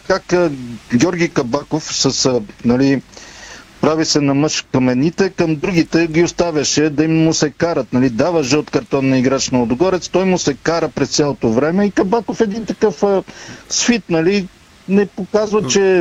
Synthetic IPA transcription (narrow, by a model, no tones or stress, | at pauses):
kakɡʲɔɾɡʲikɐbakofsɐsnɐli | pɾavisɛnɐmɤʃkɐmɛnit̪ɛkəmd̪ɾuɡit̪ɛɡʲiost̪avʲɐʃɛd̪ɐimːʊsɛkaɾət̪̚nɐlid̪avəʃɛot̪kɐɾt̪ɔnːɐiɡɾat͡ʃnɐod̪ɡɔɾɛt̪st̪ɔjmʊsɛkaɾəpɾɛst̪sʲjalˠot̪ovɾɛmɛikɐbakofɛd̪int̪ɐkɤf | sfit̪nɐli | nɛpokazvɐt͡ʃɛ